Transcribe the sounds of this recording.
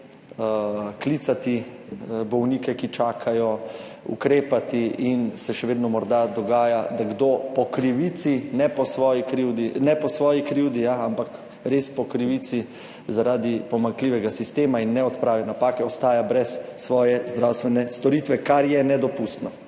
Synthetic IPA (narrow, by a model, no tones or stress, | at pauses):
kliːt̪sat̪i | bɔwniːkɛkit͡ʃaːkʰajɔ | ṵkɾeːpat̪iinsɛʃɛʋeːd̪nɔmɔɾd̪ad̪ɔɡaːjad̪aɡd̪opɔkɾiʋiːt̪sinɛpɔsʋɔːjikɾiwd̪inɛpɔsʋɔːjikɾiwd̪ijaampak | ɾeːspɔkɾiʋit̪si | zaɾaːd̪ipɔmaŋkliːʋɛɡasist̪eːmainːɛɔt̪pɾaːʋɛnapaːkɛɔst̪aːjabɾɛsːʋɔːjɛzd̪ɾawst̪ʋɛnɛst̪ɔɾiːt̪ʋɛkaɾjɛnɛd̪ɔpust̪nɔ